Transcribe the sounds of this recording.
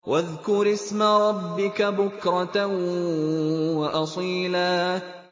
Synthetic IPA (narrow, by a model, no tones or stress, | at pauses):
wʔaðkʊɾɪsmaɾˤɑbːɪkabʊkɾˤɑ | wɑʔɑsˤiːlaː